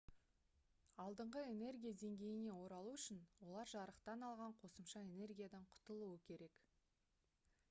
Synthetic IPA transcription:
ɑlˠd̪əɴʁəe̞ne̞rɡʲijad̪e̞ŋɡʲe̞jɪne̞wo̞ɾɑlˠuʏʃɪnwo̞lˠɑɾʒɑɾəqt̪ɑnɑlˠʁɑɴqʰo̞səmʃɑe̞ne̞rɡʲijad̪ɑɴqʰʊ̥t̪əlˠuwəkʲʰe̞ɾe̞k

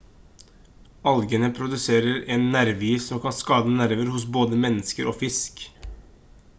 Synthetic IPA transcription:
ɑlɡənəpʰɾʊd̪ʉseːɾəɾɛnːæɾʋiːsɔmkʰɑnskɑːd̪ənæɾʋəɾhʊs̬boːd̪əmɛnːəskəɾʔoːfɪsk

